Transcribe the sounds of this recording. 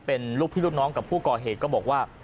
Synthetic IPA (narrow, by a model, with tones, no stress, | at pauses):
pe˧nluː˥˩k̚pʰiː˥luː˥˩nɔː˦˥ŋka˨˩pʰu˥˩kɔː˨˩ɦeː˨˩t̪̚kɔː˥˩bɔː˨˩k̚waː˥˩